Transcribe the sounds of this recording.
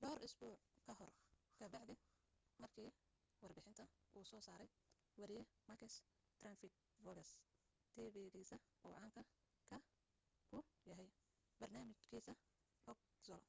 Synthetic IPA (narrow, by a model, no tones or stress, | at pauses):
ɖɔːɾʔɪsbuːʕkʰɐɦɔrkʰɐb̪ɑʕd̪ɪ | mɐrkʰiː | wɑrbɪħɪnt̪ʰɐʔuːsɔːsaːɾɛj | wɐɾɪjɛmɐkʰɛs | t̪rɐnfɪt̪̚ | vɔɡɐs | t̪ʰɛːβɛðiːsɐʔɔwʕɑːŋkʰɐ | kʰɐ | kʰʊjɐɦɛj | bɐrnaːmɪt͡ʃkʰiːsɐ | hɔɡ̚ | sɔl